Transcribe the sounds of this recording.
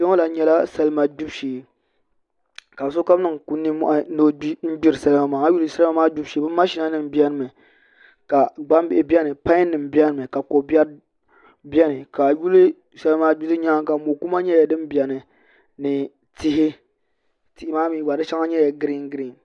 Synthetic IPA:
o˦ŋo˦la˨ɲɛ˦la˦sɛ˦lma˨d͡ʒu˦bʃiː˨ | ka˨bso˦ka˦m˦nɨ˦˨ŋku˦nːɨ˦m˦ʔa˨˦no˦n̩˦ɡ͡bi˦ɾɨ˨sa˦lɨ˦ma˦maː˨ŋa˦ju˦lɨ˨sa˦la˦maː˦d͡ʒu˦bʃi˨˦bɨ˦m˦ma˦ʃi˦na˦nɨ˨mbi˦ɛ˦nɨ˦˨mɨ˨ | ka˨ɡ͡ba˦m˦bɪ˦˨ʔɪ˨bɛ˦nɨ˨pa˦nɨ˨m˨bi˦ɛ˦nɨ˨mɨ˨ka˨ko˨bɛ˦ɾ | bjɛ˦nɨ˨ka˨ju˦lɨ˦ | sɛ˦lɨ˦ma˦ɡ͡bu˦zɨ˦ɲaː˦ŋka˨mo˨ku˦ma˦ɲɛ˦jɛ˨dɨ˦m˦bi˨ɛ˨nɨ˨ | nɨ˨ | ti˦ɦɪ˦ | ti˨ʔɪ˦maː˦mi˨˦˨ɡ͡ba˨dɨ˦ʃa˦ŋa˦ɲɛ˦ja˨ɡɨ˦ɾi˦ŋɡɨ˦ɾi˨ŋ

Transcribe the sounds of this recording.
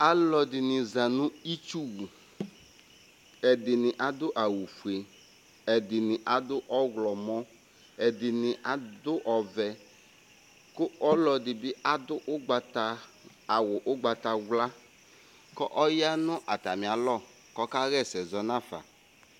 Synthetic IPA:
a˦lɔ˨dɪ˨nɪ˨za˨nʊ̃˦i˦t͡ʃu˦wu˨ | ɛ˨dɪ˨nɪ˨ʔa˨d̪ʊ˦ʔa˨wu˨fu˨e˨ | ɛ˨dɪ˨nɪ˨ʔa˨dʊ˦ʔɔ˦ɣlɔ˨mɔ˦ | ɛ˨dɪ˨nɪ˨ʔa˦dʊ˦ʔɔ˨vɛ˨ | kʊ˦ʔɔ˦lɔ˨dɪ˨bɪ˦ʔa˦dʊ˦ʔʊ˦ɡ͡ba˨ta˦ | a˨wʊ˨ʔʊ˦ɡ͡ba˨ta˨wla˦ | kɔ˦ʔɔ˦ja˦nʊ̃˦ʔa˨ta˨mɪ̃˨a˨lɔ˦ | kɔ˦ka˦ɣɛ˦˨sɛ˨zɔ˨nã˦˨fa̰˨

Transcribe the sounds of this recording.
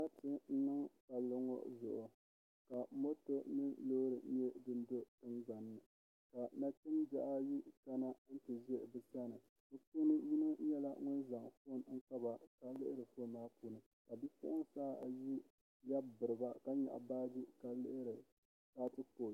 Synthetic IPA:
na˦tɨ˦n̩˦nɨ˦ŋka˨lːʊ˦ŋo̰˦zʊ̰˨ʔʊ˨ | ka˨mo˦to˦nɨ˦nlo˦ɾɨ˨˦ɲɛ˦dɨ˦ndo˦tɨ˦nza˨nːɨ˨ | ka˨na˦tɨ˦md͡ʒa˨ʔa˦ji˦ka˦na˦n̩˦tɨ˨ʒɛ˦bɨ˦sa˦nɨ˨ | ɨ˦pu˦nɨ˦ji˦nɨ˦ɲɛ˦la˦ŋʊ˦n˦za˨ŋfo˦˨n˦ŋ̩˦ka˦ba˨ka˦lɨ˦ʔɪ˦ɾɨ˨fo˦˨maː˦puː˦nɨ˨ | ka˨bi˦pʊ̰˦ʔʊ˦saː˦˨ji˦ | ja˦bbɨ˨ɾɨ˨ba˦ka˦ɲɛ̰˨ʔa̰˨baː˦di˦ka˨lɨ˦ʔɪ˦ɾɨ˨ | kaː˦tɨ˦ko˨

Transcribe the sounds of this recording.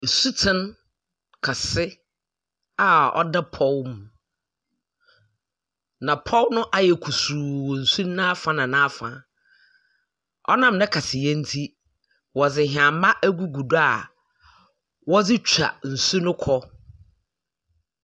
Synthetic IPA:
su˦tʰɪ̃˦n | kʰa˨sɪ˦ | a˨ɔ̰˦da˦pʰɔ˦lmũ˨ | nã˨pʰɔ˦lnʊ̃˦ʔa˨jɛ˨kʰu˨suː˨wn̩˨su˦nã˦fã˦nã˨nã˦fã̰˨ | ɔ̰˦nã˦mnɛ̃˦kʰa˨sɪ˨jɛ˦n̩˦tʰi˦ | wɔ˨d͡zɪ˨ɦɪ˨ã˨˦mã˦ʔæ˦ɡu˦ɡu˨da˨ | wɔ˦d͡zɪ˦t͡ɕᶣa̰˨n̩˨su˦nʊ̃˦kʰɔ˦

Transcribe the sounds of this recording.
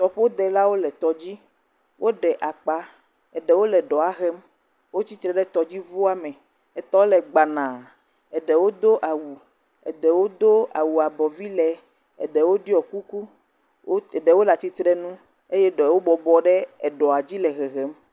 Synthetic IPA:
t̪ɔ˨ɸe˦o˦d̪ɛ˨la˦wo˦lɛ˨t̪ɔ˨d͡ʑi˦ | wʔo˦ɖɛ˨ʔa˨k͡pa˨ | ɛ˨ɖɛ˨wo˦lɛ˨ɖɔ˨a˨ɣɛ˦m | wo˦t͡ɕi˦t̪ɾɛ˨ɖɛ˦t̪ɔ˨d͡ʑi˦vo˦a˦mɛ̃˨ | ɛ˨t̪ɔ˦lɛ˨ɡ͡ba˨nã˨ | ɛ˨ɖɛ˨wo˦d̪o˦ʔa˨wu˨ | ɛ̰˨ɖɛ˨wo˦d̪o˦a˨wu˨a˨bɔ˨vi˦lɛ˨ | ɛ˨ɖɛ˨wo˦ɖi˦ɔ˨ku˦ku˦˨ | ɖɛ˨wo˦la˨t̪i˦t̪ɾɛ˦nũ˦ | e˦jɛ˦ɖɛ˨wo˦bɔ˨bɔ˦ɖɛ˦ɛ˨ɖɔ˨a˨d͡ʑi˦lɛ˨ɣɛ˨ɣɛ˨˦m

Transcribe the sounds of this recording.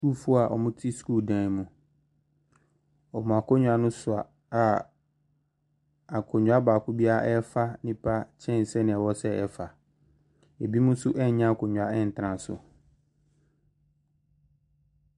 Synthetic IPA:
su˦fʊ˦a˨ʔɔ˨mʊ̃˦tʰi˦skuː˦˨dãː˨mũ˨ | ɔ˨mʊ̃˨a˨kʰɔ˦ɲᶣʊ˦a˨nʊ̃˦sʊ˨a̰˨ | a˨ | a˨kʰʊ˨ɲʊ˨˦a˦baː˨kʰʊ˦bi˦a˦ʔɛ˦fa˦nɪ̃˦pʰa˦t͡ɕʰɛ̃˦n̩˨sɛ˦nɪ̃˨ɛ˨wɔ˦sɛ˦ɛ˦fa˨ | e˨bi˦mũ˦sʊ˦ʔɛ˦ɲã˦a˨kʰʊ˨ɲᶣʊ˨a˨ɛ˦˨n̩˨tʰã˨sʊ̰˨

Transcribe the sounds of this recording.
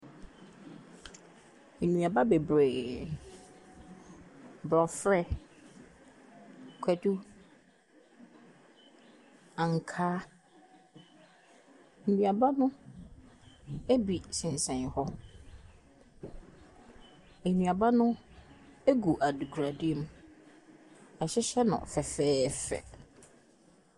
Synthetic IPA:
e˨nũ˨a˨ba˦be˨bɾe˨ | bɾɔ˨fɾɛ˦ | kʷʰɛ˨du˦ | a˨ŋ̩˨kʰaː˦ | n̩˨nĩ˨a˨ba˦nʊ̃˦ | e˦bi˨sɪ̃˨n˨sɛ̃˨nhɔ˦ | e˨nĩ˨a˨ba˦nʊ̃˦ | e˦ɡu˨ʔa˨du˨ɡʰɾa˨di˦m˦ | ɛ˨ɕɛ˦ɕɛ˦nʊ̰̃˨fɛ˨fɛː˦fɛ̰˨

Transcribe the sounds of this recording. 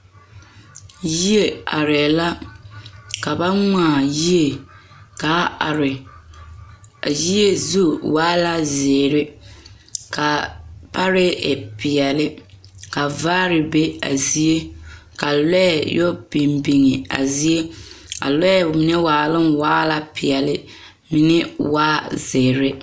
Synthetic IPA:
ji˦e˨a̰˨ɾɛ˨la˦ | ka˨ba˦ŋaː˦˨ji˦e˨ | ka˨˦a˨ɾɪ˨ | a˨ji˦e˦zu˦waː˦la˦zeː˨ɾɪ˦ | ka˨pa˦ɾɪ˦ɪ̰˨pɪ˨ɛ˨lɪ˦ | ka˨vaː˦ɾɪ˨be˦a̰˨zi˦e˦ka˨lɛ˦ɛ˨jo˦bi˨mbi˨ŋɪ˨a̰˨zi˦e˦a̰˨lɛ˦ɛ˦˨mi˨nɛ˦waː˨lɪ˦mwaː˦la˦pɪ˨ɛ˨lɪ˦ | mɪ˨nɪ˦waː˦zeː˨ɾɪ˦

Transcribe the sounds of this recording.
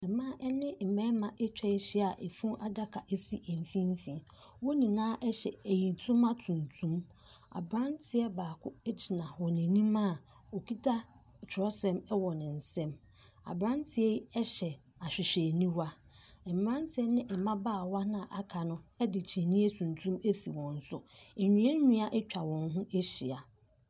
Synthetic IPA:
ɛ˨mã˦ʔɛ˦nɪ̃˦˨m̩˨mɛ̃˦mã˨ʔe˦t͡ɕᶣʰɛ˦ɕi˦a˨ʔe˨fũ˦ʔa˦da˦kʰa˨ʔe˦si˦ʔɛ˨m˨fĩ˦m˦fĩ˨ | wɔ˦nĩ˨nãː˦ʔɛ˦ɕɛ̰˨æ˨jĩ˨n˨tʰũ˦mːã˦tʰũ˨n˨tʰũ˦m | a̰˨bɾã˦ntʰɪ˦ɛ˦baː˨kʰʊ˦ɛ˦d͡ʑi˨nã˨hɔ˨nĩ˨nĩ˦mã˦˨ | o˨kʰi˦tʰa˦ | t͡ʃʰᶣʊ˨ɾɔ˦sɛ̃˦mɛ˦wɔ˨nɪ̃˨n̩˨sɛ̃˦m | a̰˨bɾã˦ntʰɪ˨ɛ˦ɛ˦ɕɛ˨ | a˨ɕᶣɪ˨ɕᶣe˨nĩ˦wa˦ | ɛ˨m̩˨m˦ɾã˦ntʰɪ˨ɛ˦nɪ̃˦ʔɛ˨mã˦baː˦˨wa˦nã˦˨ʔa˨kʰa˨nʊ̃˦ɛ˦dɪ˨t͡ɕʰe˨nĩ˦e˦tʰũ˨n˨tʰũ˦me˦si˨wɔ̃˨n̩˦sʊ˦ɛ˨ɲᶣĩ˦ɛ˦ɲᶣũ˦a˦ʔɛ˦t͡ɕᶣʰa˨wɔ̃˨nɦũ˦ʔe˦ɕi˨a˨

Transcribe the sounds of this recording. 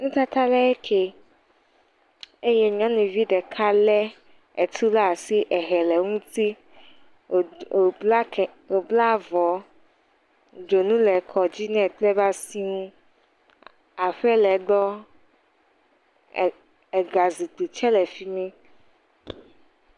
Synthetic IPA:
nũ˦t̪a˦t̪a˦lɛ˦ɛ˦kʰe˦ | e˦jɛ˦ɲɔ̃˦nũ˨vi˦ɖɛ˨kʰa˦lɛ˦ | ɛ˨t̪ʰu˦la˦˨si˦ʔɛ˨ɦɛ˨lɛ˨ŋũ˦t̪i˦˨˦ | o˨bla˦vɔ˨˦ | d͡ʒo˨nũ˦lɛ˨kʰɔ˨d͡ʑi˦nɛ̃˦˨tlɛ˦ba˦si˦ŋũ˦ | a˨ɸɛ˦lɛ˨ɖɔ˦ | ɛ˨ɡa˨zi˨k͡pu˨t͡ʃɛ˦lɛ˨fi˦mɛ̃˦

